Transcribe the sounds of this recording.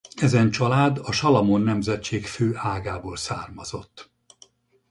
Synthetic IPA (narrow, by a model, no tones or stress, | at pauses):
ɛzɛnt͡ʃɒlaːd̪ɒʃɒlɒmonːɛmzɛt͡ʃːeːkføːʔaːɡaːboːlsa̰ːrmɒzo̞t̪ː